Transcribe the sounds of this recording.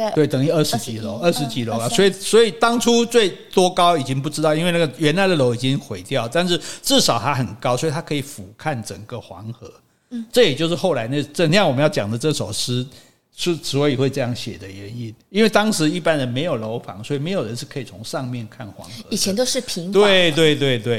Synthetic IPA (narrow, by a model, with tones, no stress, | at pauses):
we˥˩ɪt̪ə˨˩ŋi˥˧ə˥˩ʂɻ̩˧˥t͡ɕi˨˩lo˧˦ʊə˥˩ʂɻ̩˧˥t͡ɕi˨˥lo˧˦la˨swɔ˧˥i˨˩swɔ˧˥i˨˩t̪ɑ˥ŋʈ͡ʂʰu˥t͡swe˥˩ɪt̪wɔ˥kɑ˥ʊi˨˩t͡ɕi˥ŋp̬u˥˩ʈ͡ʂɻ̩˥t̪ɑ˥˩ʊi˥nwe˥˧ɪna˥ɡə˩ɥɛ˧˥nla˧˥ɪd̪ə˨lo˧˥ʊi˨˩t͡ɕi˦ŋxwe˧˥ɪt̪jɑ˥ʊ˩t̪a˥˧nʂ̬ɻ̩˥˩ʈ͡ʂɻ̩˥˩ʂɑ˨˩ʊt̪ʰa˦xə˨˩nkɑ˥ʊswɔ˧˥i˨˩t̪ʰa˥kʰɤ˧i˨˩fu˨˩kʰa˥˩nʈ͡ʂə̰˨˩ŋɡə˦xwɑ̰˧˥ŋxɤ˧˥˦ | ʈ͡ʂɤ˥˩jɛ˨˩t͡ɕjo˥˧ʊʂɻ̩˥˩xo˥˩ʊla˧˥ɪna˥˩ʈ͡ʂə˥˩njɑ˥˩ŋwɔ˨˩mə˦jʊt͡ɕjɑ̰˨˩ŋd̪ə˦ʈ͡ʂɤ˥˩ʂo˨˩ʊʂɻ̩˥ | ʂ̩˥˩swɔ˧˦˥i˨˩xwe˥˧ɪʈ͡ʂɤ˥˧jɑ˥˩ŋɕjɛ̰˨˩d̪ə˦ɥɛ˧˦ni˥˩ni˥nwe˥˩ɪt̪ɑ˥ŋʂɻ̩˧˦i˥˩pa˥nd̪ə˨me˧˥ɪjo˨˩lo˧˦˥ʊfɑ̰˧˥ŋswɔ˧˥i˨˩me˧˥ɪjo˨˩ɻə˧˦nʂɻ̩˥˩kʰɤ˧˥i˨˩t͡sʰʊ˧˥ŋʂɑ˥˧ŋmjɛ˥˨nkʰa˥˩nxwɑ̰˧˥ŋxɤ˧˦i˨˩ɛ˦nt̪o˥ʊʂɻ̩˥˩pʰi˧˥ŋt̪we˥˩ɪt̪̬we˥˧ɪt̪̬we˥˧ɪt̪we˥˩ɪ